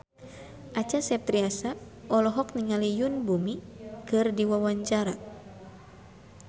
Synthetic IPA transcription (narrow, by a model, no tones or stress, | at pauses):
ʔat͡ʃasɛp̚t̪ɾiasa | ʔɔlɔɦɔk̚niŋalijunbumikɨrdiwawaɲt͡ʃaɾa